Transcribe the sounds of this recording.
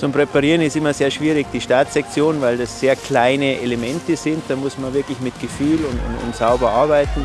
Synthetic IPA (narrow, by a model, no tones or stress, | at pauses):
t͡sʊmpʁ̥epaʁiːʁənɪstɪmɐzeːɐʃv̥iːʁɪçd̥iːʃtaːtɛk̚t͡sjoːnvaɪldasz̥eːɐkl̥aɪnəʔelemɛntəzɪnt̚d̥aːmʊsmanvɪɐklɪçmɪtɡ̥əfyːlʊnʊ̰nʊ̰ntz̥aʊbɐʔaɐbaɪtn̩